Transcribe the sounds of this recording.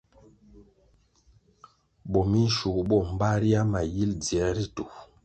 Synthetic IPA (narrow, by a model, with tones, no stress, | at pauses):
bɔ˨mi˦n̩˦ʃu˨kɓɔ˦˨m̩˨ba˦ɾi˦a˦ma˨ji˦ld͡zi˨ɛ˨˦ɾi˦tu˨